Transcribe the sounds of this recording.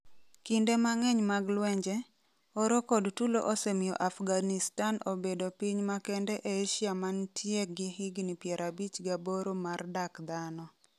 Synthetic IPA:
kindemaŋɛɲmaɡlwɛɲd͡ʒɛ | ɔɾokodtulo̰ʔosɛmɪjɔ̰ʔafɡanɪstanobedopiɲmakɛndɛʔeʃjamantʰjeɡɪɦɪɡnipjɛɾʔabit͡ʃɡaboɾomardakd̪anɔ

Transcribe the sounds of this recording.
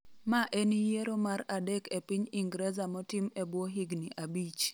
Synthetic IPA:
maʔenijeɾomaɾadɛkepiɲiŋɡɾɛzamɔtimebwoɦiɡniʔabit͡ʃ

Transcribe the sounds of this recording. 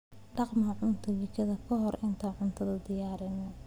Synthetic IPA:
ɖ̥ɑqmɐʕʊnt̪ʰɐlɪkʰɐðɐkʰɔɦɔrʔɪnt̪ʰɐʕʊnt̪ʰɐðɐd̪ɪjaːɾɪnɐ

